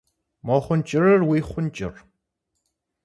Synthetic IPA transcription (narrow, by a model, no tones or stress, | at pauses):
moːχʷʊnt͡ʃʼɪrɐrwiːχʷʊnt͡ʃʼɪ̰r